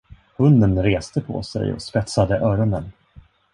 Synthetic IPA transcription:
hɵnd̪ənɾeːst̪əpʰɔ̰sɛ̰jɔ̰spɛt̪sad̪əʔœːɾɔnən

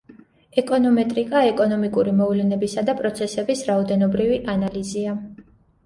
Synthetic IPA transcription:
ɛkʼɔnɔmɛt̪ʼɾikʼaɛkʼɔnɔmikʼuɾimɔvlɛnɛbisad̪apʼɾɔt̪sʰɛsɛbisɾaɔd̪ɛnɔbɾiviʔanalizia

